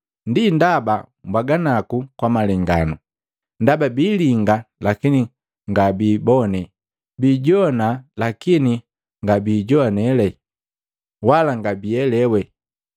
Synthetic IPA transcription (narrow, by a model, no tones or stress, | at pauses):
ndindabambaɡanakukwamalɛŋɡanɔ | ndababiːliŋɡalakini | ŋɡabiːbɔnɛ | biːɟɔnalakini | ŋɡabiːɟɔanɛlɛ | walaŋɡabiɛlɛwɛ